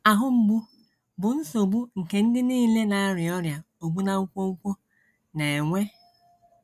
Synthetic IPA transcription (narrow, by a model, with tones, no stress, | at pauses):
a˨ɦʊ˦m̩˨ɡ͡bu˦ | bʊ˨n̩˦so˨bu˦ŋ̩˨ke˨n̩˦dɪ˦niː˦le˦na˨a˦ɾɪ˨ɔ˦ɾja˨ | o˨bu˦na˦u˦kʷo˦u˦kʷo˦ | ne˨e˨ŋʷe˦